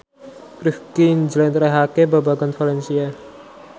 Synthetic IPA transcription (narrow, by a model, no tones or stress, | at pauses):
kɾifkind͡ʒlɛnt̪ɾaɦakebabaɡanfʰalɛnsia